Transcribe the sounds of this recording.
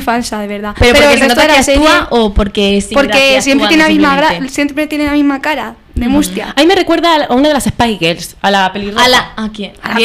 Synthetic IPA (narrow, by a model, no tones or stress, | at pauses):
fansaðeβe̞ɾðapeɾopeɾoeenot̪aelaaeuaopoɾkesoɾkesjempɾeelamizmaɣɾasjempɾɾet̪jenelamizmakaɾa | ðemust̪jaamimere̞kwe̞ɾðaunaðelasespajɣelsalapeliralaake